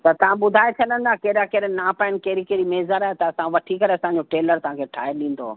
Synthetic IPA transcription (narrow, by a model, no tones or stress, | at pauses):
t̪ɐt̪ɐʋ̤ãɓʊd̪ʱaːet͡ɕʰɐɗə̃n̆d̪akɐɾakɐɗnaːpaːɪnɪ̆kɐɦɪɾikɐɦɾimeːzəɾaːet̪ɐɐsãʋɐʈʰikɐɾeɐsãɲ̆d͡ʑoʈeːləɾt̪ɐʋ̤ãkʰeʈʰaːeɗĩːn̆d̪o̰ː